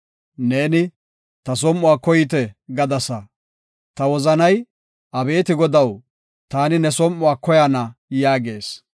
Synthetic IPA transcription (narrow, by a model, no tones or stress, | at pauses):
ne̞ːnɪ | t̪ɐs̬ɔmːʊwaːkɔjɪt̪̬ɛɡɐd̪ɐsɐ | t̪ɐwɔzɐnɐj | ʔɐbe̞ːt̪ɪɡɔd̪ɐw | t̪aːnɪnɛsɔmʔʊwaːkɔjanɐjaːɡe̞ːs